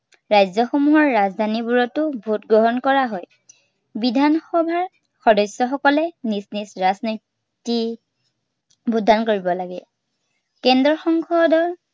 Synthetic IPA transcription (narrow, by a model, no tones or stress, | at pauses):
ɹajzɔxomuɦɔɹːazdʱanibuɹɔtʊbʱutɡɹɔɦɔnkɔɹaɦɔj | bidʱanxɔbʱaɹ | xɔdɔsːɔxɔkɔlɛnisnisɹaznɔ | ti | budʱːankoɹibɔlaɡɛ | kɛndɹɔxɔŋkʰɔdɔɹ